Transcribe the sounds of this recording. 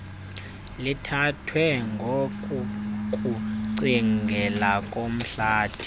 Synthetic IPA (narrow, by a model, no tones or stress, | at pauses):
litʰatʰwɛŋɡʱokʼukʼuǀiŋɡʱɛlakʼom̩ɬaːd̥ʰʱi